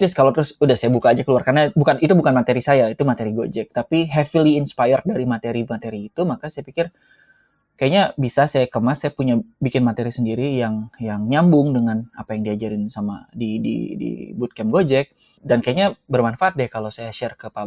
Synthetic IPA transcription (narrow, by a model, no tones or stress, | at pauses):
dɛskalot̪ɾʊsudahsajabukaːd͡ʒakəluarkarnabukanit̪ubukanmat̪eɾisajait̪umat̪eɾiɡo̰d͡ʒɛk̚t̪apiɦɛfiliːnspajərdaɾimat̪eɾimat̪eɾiːt̪umakasajapikɪr | kajaɲabisasajakəmasajapuɲabikɪnmat̪eɾisəndiɾijaŋjaŋɲambʊŋdəŋanapajaŋdiad͡ʒaɾɪnsama̰didḭdḭbut̪̚kɛmɡod͡ʒɛk̚ | dankajaɲabərmanfaʔat̪̚dɛkalowsajaʃɛrkəpa